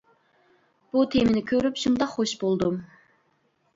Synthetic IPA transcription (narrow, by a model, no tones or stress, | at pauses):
b̥ut̪ʰemɪnɪkʲʰøɾypʃund̪ɑqχoʃbolˠd̪um